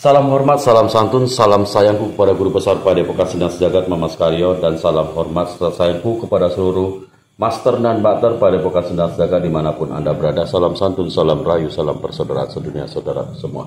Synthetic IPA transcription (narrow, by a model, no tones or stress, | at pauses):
salamɦɔrmat̪̚salamsant̪ʊnsalamsajaŋkukəpadaɡuɾupəsarpadapokat̪səndaŋsəd͡ʒaɡat̪̚mamaskaɾiɔdansalamɦɔrmat̪̚ssajaŋkukəpadasəluɾuh | mast̪ərdanbat̪ərpadapokat̪̚səndaŋsəd͡ʒaɡat̪̚dimanapʊnʔa̰ndabəɾadasalamsant̪ʊnsalamrajusalampərsawdaɾaansədunia̰sawdaɾa̰t̪ərsəmua̰